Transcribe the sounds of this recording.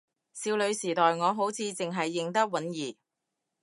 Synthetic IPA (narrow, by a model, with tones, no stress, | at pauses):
siː˧wlɵ˨˧ɥsiː˨˩t̪ɔː˨jŋɔː˨˧ɦo˨˥wt͡sʰiː˨˧t͡sɪ˨ŋɦɐ˨jːɪ˨ŋt̪ɐ˥k̚wɐ˨˥njiː˨˩